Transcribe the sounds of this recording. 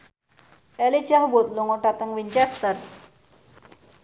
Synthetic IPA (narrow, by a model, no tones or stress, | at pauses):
ɛlit͡ɕaɦbot̪loŋoʈat̪əŋʋiɲt͡ɕɛst̪əɾ